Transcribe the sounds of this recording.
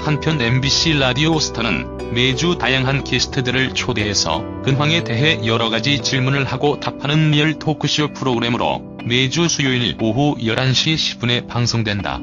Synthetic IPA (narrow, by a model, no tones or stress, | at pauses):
hanpʰjʌne̞mbiɕ͈ʰiɾadiosʰɯ̥tʰʌnɯ̰n | me̞d͡ʑutajaŋɦankisʰɯ̥tʰɯdɯɾɯɭt͡ɕʰodeɦesʰʌ̰kɯnwaŋe̞te̞ɦe̞jʌɾʌɡad͡ʑit͡ɕiɭmunɯɭhaɡotapʰanɯnmiʌɭtʰokʰɯɕ͈ʰɯpʰɯɾoɡɯɾe̞mɯɾo̰ | me̞d͡ʑusʰujoinḭɭoɦujʌɾanɕʰiɕʰi̥b͈une̞paŋsʰoŋdwe̞nda̰